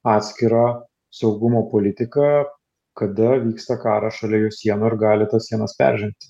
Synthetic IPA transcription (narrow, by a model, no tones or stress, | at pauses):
ɑːt̪ʲsʲkʲɪɾɑː | sɒʊɡʊmoːpoːlʲɪt̪ʲɪkɑː | kɐd̪ɐʋʲiːkst̪ɐkɑːɾɐʃɐlʲɛjuːsʲiɛnʊɪɾɡɑːlʲɪt̪ɐssʲiɛnɐspʲɛ̰ɾʲʒʲɪmʲt̪ʲɪ̥